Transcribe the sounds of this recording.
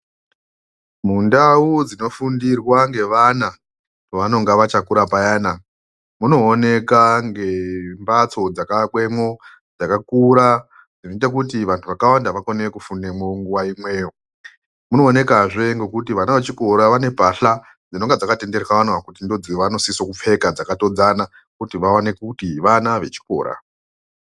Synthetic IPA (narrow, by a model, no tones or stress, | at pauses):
mundaud͡zino̞fundirwaŋɡe̞ʋana | toʋano̞ŋɡaʋat͡ʃakuɾapajaːna | muno̞ːne̞kaŋɡe̞mbat͡so̞d͡zakakwe̞mo̞ | d͡zakakuɾa | d͡zinit̬ek̬utiʋantʰuʋakawandaʋakoneekufunemoŋɡuʋaimwe̞ːo | muno̞ːne̞kaʐe̞ŋɡe̞kutiʋanaʋe̞t͡ʃiko̞ɾaʋane̞paɬa | d͡zino̞ŋɡed͡zakate̞nde̞rekaanwakutindo̞d͡ziʋano̞sisokup͡fe̞kad͡zakato̞d͡zana | kutiʋawanekutiʋanaʋe̞t͡ʃi̥ko̰ːɾa̰